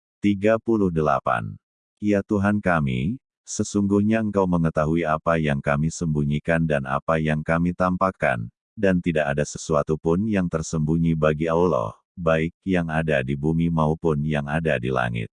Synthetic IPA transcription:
t̪iɡapulʊhdəla̰pa̰n | ijat̪uɦankamḭ | səsuŋɡuhɲaəŋkawməŋət̪aɦuiapajaŋkamisəmbuɲikandana̰pajaŋkamit̪ampaka̰n | dant̪idaʔadasəsuat̪upʊnjaŋt̪ərsəmbuɲibaɡiaulɔ̰h | baɪk̚jaŋadadibumimaupʊnjaŋadadila̰ŋɪ̰t̪̚

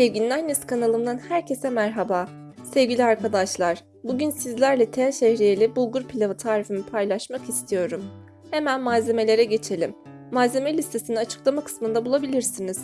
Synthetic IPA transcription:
evɟʲinʲlaɾneskʰanalˠɯmd̪anhæɾcʰe̞sɛmæɾɦabaː | sevɟilʲiaɾkʰad̪aʃlˠaɾ̥ | buɟynsizlʲæɾlʲɛt̪ʰejaʃehɾijelʲɛbuɡuɾpʰilʲavɯt̪ʰaːɾifimipʰajlˠaʃmakist̪ʰijo̞ɾum | he̞mænmaːze̞me̞lʲe̞ɾɛɟe̞t͡ʃʰe̞lʲimː | aːze̞melʲist̪ʰe̞sininat͡ʃʰɯ̥klˠamakʰɯ̥smɯnd̪abulˠabilʲiɾsiniz̥

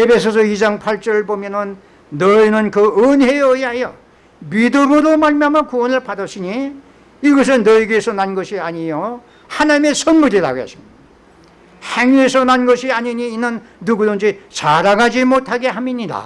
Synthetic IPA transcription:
epʰe̞sʰʌs̬ʰʌid͡ʑaŋpʰaɭt͡ɕʌɾɯɭbomjʌnɯnː | ʌinɯnkɯɯnɦeʌjajʌ | midɯmɯɾomaɭmjamjʌkuwʌnɯɭpadʌɕʰiɲiː | ɡʌs̬ʰɯnːʌiɡesʰʌnanɡʌɕʰiaɲijo | hanaɲime̞sʰʌnmuɾiɾa̰ɡoa̰ɕʰi̥mid | heŋesʰʌnanɡʌɕʰiaɲiɲiːnːɯnː | uɡudʌnd͡ʑit͡ɕaɾaɡad͡ʑimotʰaɡe̞ɦamiɲida̰

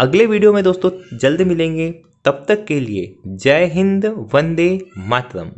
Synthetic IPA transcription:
ɐɡleʋiːɖijomẽd̪oːst̪õd͡ʒɐld̪mɪlẽːŋɡe | t̪ɐb̚t̪ɐkːeliḛd͡ʒɐɦɪ̃nd̪ʋɐ̃nd̪emaːt̪ɾə̰m

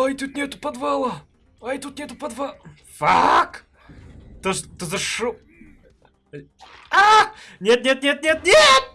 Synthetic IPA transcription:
ojt̪ut̪̚nʲɛt̪upɐd̪valˠɐ | ojt̪ut̪̚nɛt̪upɐd̪vɐlˠ | fak | t̪ot̪ozɐʃu | a | nʲet̪̚nʲet̪̚nʲet̪̚nʲet̪nʲet̪̚

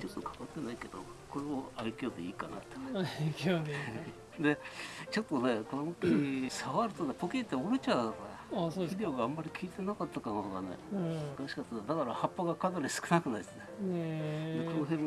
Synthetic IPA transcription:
t͡ɕo̞t̪ːo̞kʰḁkat̪ːe̞naike̞d̪o̞̰ | ko̞ɾeoaikʲoːd̪eiːkana̰t̪ːe̥ | d̪e̞t͡ɕo̞t̪ːo̞ne̞konokʲisaβaɾɯ̟t̪o̞ne̞pokʲet̪ːeoɾɯt͡ɕad̪aka | id̪eoːɡaamːaɾʲikʲiːt̪e̞nakat̪ːakanohod̪a̰nḛzkaɕi̥kat̪ːad̪akaɾahapːaɡakanaɾʲisɨ̥kɯ̟nakɯ̟nait̪ne | d̪eko̞noɦẽ̞m

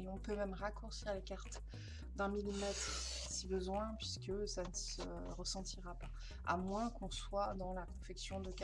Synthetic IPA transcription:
eɔ̃pømɛmʁakuʁsiʁlekaʁt̪ | d̪ɛ̃milimɛt̪χ | sibəzwɛ̃pɥiskəsanəsə | ʁəsɑ̃t̪iʁapa | a̰mwɛ̃kɔ̃swad̪ɑ̃lakɔ̃fɛksjɔ̃d̪əka

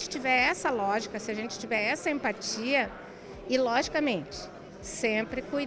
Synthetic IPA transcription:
t͡ʃɪ̥t͡ʃivɛɾɛsɐlɔʒikɐsɪaʒẽnt͡ʃɪ̥t͡ʃivɛɾɛsɐẽmpat͡ʃiɐ | ɪlɔʒikɐmẽnt͡ʃɪ̥ | sẽpɾɪkuj

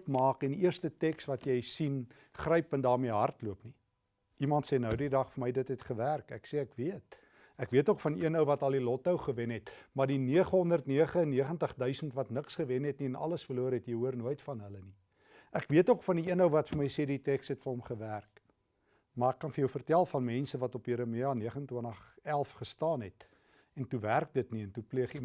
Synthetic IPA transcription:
pmɑːkɛndiiərstətɛksvɐtjɛjsin | χrəjpəndɑːrmiəɦɐrtluəpni | ʔimɐntseːnəwdidɐχfərməjdətɦɛtχəværkæ̰kseækviət | ækviətokfɐniənəwvɐtɐlˠilɔtəwχəvɛnɦɛtmɐrdiniəχəɦɔndərtniəχəənːiəχəntəχdœɥsəntvɐtnəksχəvɛnɦɛtniənɐ̰ləsfərluəɾɦɛtjɛjɦuərnuəjtfɐnɦələni | ʔækviətokfɐndiiənəwvɐtfərməjseditɛksɛtfərɔmχəværk | mɑːrɛkːɐnfərjœwfərtælˠfɐnmɛnsəvɐtɔpiɾəmiɑniəχəəntwənəχælˠfχəstɑːnɦɛt | ɛntuværk̚dətniɛntupliəχi

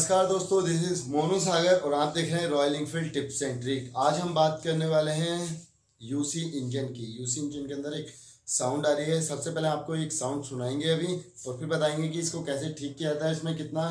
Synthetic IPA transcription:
skaːɾd̪oːst̪õd͡ʒɪsɪzmoːnus̬aːɡəɾɔːɾãːp̚d̪eːkʰɾeɦɛ̃ɾɔːjlɪ̃ŋɡfɪlɖ̚ʈɪpsɛ̃ːɳʈɾɪkaːd͡ʒɦɐmbaːt̪kɐɾneʋaːleɦɛ̃ | juːsiʔɪ̃nd͡ʒənkijuːsiɪ̃nd͡ʒənkeɐ̃nd̪əɾeːk | sãːʊ̃ɳɖaːɾiɦɛsɐbsepɛːleaːp̚koeːksãːʊ̃ɳɖsʊnaːẽːŋɡeɐbʱiɔːɾfʰɪɾbɐt̪aːẽːŋɡek̬iɪskokɛːseʈʰiːkːiat̪aɦɛɪsmẽkɪt̪na

